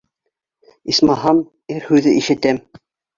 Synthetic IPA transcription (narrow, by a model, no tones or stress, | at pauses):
ismɑɦɑm | ɘɾhʉðɘʔiʃɘ̆t̪æm